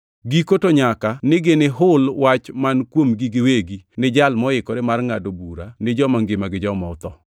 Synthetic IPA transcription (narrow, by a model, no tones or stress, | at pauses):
ɡikotoɲakanɪɡeneɦʊlwat͡ʃmankwomɡiɡɪweɡinɪd͡ʒalmɔɪkɔɾemarŋadobuɾanɪd͡ʒɔmaŋɡɪmaɡɪd͡ʒɔmɔʊt̪ɔ